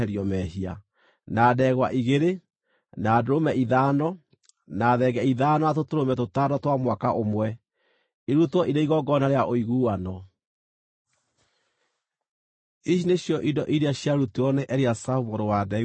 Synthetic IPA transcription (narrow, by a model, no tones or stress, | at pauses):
ɛɾjɔmɛɦia̰ | naːdɛɣwaʔiɣeɾe | naːdoɾomɛʔiðaːnɔ | naðɛɡɛiðaːnɔatotoɾomɛtotaːdɔtwamwakaʔomwɛ | eɾutwɔʔiɾeiɣɔɡɔnaɾeaʔoiɣuːanɔ | iʃineɕjɔʔidɔʔiɾeaɕjaɾuteɔnɛʔɛɾeasaumoɾowada